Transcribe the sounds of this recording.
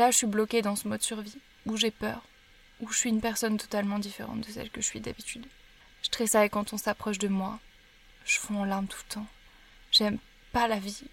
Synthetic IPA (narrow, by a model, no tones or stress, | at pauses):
laʒəsɥiblɔkʲed̪ɑ̃səmɔd̪syʁvi | uʒepœ̰ːʁ | uʒəsɥiynpɛʁsɔnt̪ɔ̥t̪almɑ̃d̪ifeʁɑ̰̃t̪̚d̪əsɛ̰lkəəsɥid̪a̰bit̪yd̪ | ʒ̥ə̥t̪χɛsaekɑ̃t̪ɔ̃sapχɔʃd̪əmwa | ʒ̥əfɔ̃ɑ̃laʁmt̪ʰu̥t̪ɑ̃ | ʒɛm | palavi